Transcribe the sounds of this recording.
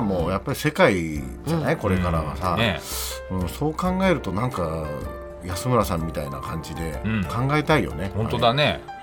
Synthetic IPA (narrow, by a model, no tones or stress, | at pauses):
moːjapːaɾʲise̞kai | d͡ʑneko̞ɾe̞kaɾaɡa̰sane | ɯ̟̃ːɴso̞ːkãŋɡaeɾɯ̟t̪o̞nãŋka | jasɨmɯ̟ɾasãmːʲit̪aina̰kʰãɲ̟d͡ʑid̪e̞kʰãŋɡaet̪aijo̞̰ne̞hõnt̪od̪ane